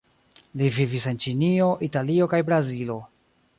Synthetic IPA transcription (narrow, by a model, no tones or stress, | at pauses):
livivise̞nt͡ʃinio̞ʔitalio̞kajbɾazilo̞